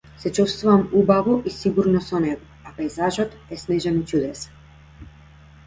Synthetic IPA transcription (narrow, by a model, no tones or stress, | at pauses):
sɛt͡ʃust̪vuvamubavɔʔisiɡuɾnɔsɔnɛɡɔ | apɛjzaʒɔt̪ɛsnɛʒɛnit͡ʃud̪ɛsḁ